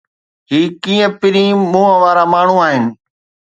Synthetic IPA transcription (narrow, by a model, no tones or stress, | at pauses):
ɦiːkĩːə̃pɪɾĩːmũːə̃ʋaːɾamaːɳ̤ũaːɦɪnɪ̆